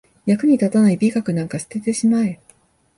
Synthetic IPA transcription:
jakɯ̟ɲ̟it̪at̪anaibʲikakɯ̟nãŋkaɕi̥t̪et̪e̞ɕimae

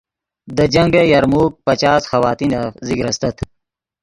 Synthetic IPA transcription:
d̪əd͡ʑɐŋɡejɐɾmuːk̚pɐt͡ʃaːsxɐwaːt̪iːnazikɾɐst̪ɐt̪ʰ

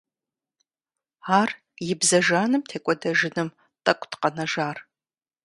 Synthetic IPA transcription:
aːr | jɪbzɐʒaːnɨmtʰeːkʷʼɔdɐʒɪnɨm | tʼɐkʷʼtʰqɐnɐʒaːr

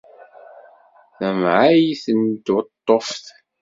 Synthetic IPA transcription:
θæmʕajiθənt̪ʊt̪ˤːofθ

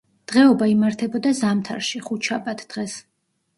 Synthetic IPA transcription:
d̪̥ʁɛɔbaimaɾt̪ʰɛbɔd̪azamt̪ʰa̰ɾʃiχut̪ʃʰapʼat̪ʰd̪̥ʁɛs

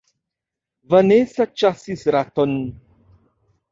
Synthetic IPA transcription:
vənesat͡ʃasisɾat̪ɔn

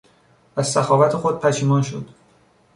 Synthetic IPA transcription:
ʔæzsæxɒːvæt̪ʰe̞xo̞d̪̚pʰæʃiːmɒːnʃo̰d̪̥

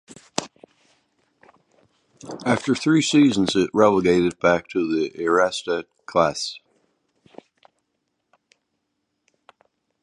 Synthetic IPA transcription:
æftə˞θɹisiz̃n̩zɪʔ̚ɹɛlˠəɡeɪɾɨd̚bæk̚tʰəðiʔɪ˞æstɨ | kʰl̥æs

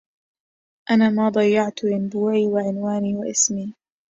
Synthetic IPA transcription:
ʔanaːmaːd̪ˤɑjːɑʕt̪ʔɪnbuːʕiːwaʕɪnwaːniːwaʔɪsmiː

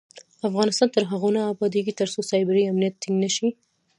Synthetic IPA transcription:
afɣɑnɪst̪ɑnt̪əɾɦaɣonaːbɑd̪eɡit̪əɾsosɑjbɪɾiamnijat̪ːiŋɡnəʃi

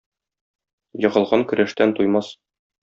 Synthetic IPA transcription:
jɤ̆ʁɤ̆lˠʁɑŋkɵ̆ɾæʃt̪ænt̪ujmɑs

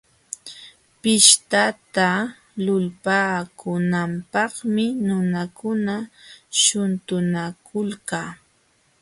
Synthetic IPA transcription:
pɪʃt̪at̪a | lʊlpaːkʊnampɑχmɪnʊnakʊnaʃʊnt̪ʊnakʊlkaː

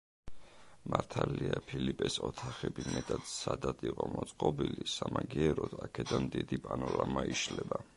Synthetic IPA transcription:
maɾt̪ʰaliapʰilipʼɛsɔt̪ʰaχɛbimɛt̪ʼad̪sad̪ad̪iqʼɔmɔt̪sʼqʼɔbilisamaɡiɛɾɔd̪̥akʰɛd̪anmd̪id̪ipʼanɔɾamaiʃlɛba

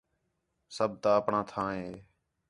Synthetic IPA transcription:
səb̚t̪aːəpɳãːt̪ʰãːɦeː

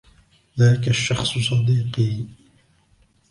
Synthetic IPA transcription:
ðaːkaʃːɑxsˤs̬ˤɑd̪iːqiː

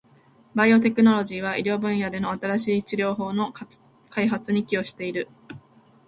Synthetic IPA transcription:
baio̞t̪e̞kɯ̟no̞ɾo̞ʑiːβ̞aʔiɾʲo̞ːbɯ̟̃ɰ̃jad̪e̞no̞at̪aɾaɕiːt͡ɕiɾʲo̞ːɦo̞ːno̞ | kʰaiɦat͡sɨɲ̟ikʲio̞ɕi̥t̪e̞iɾɯ̟

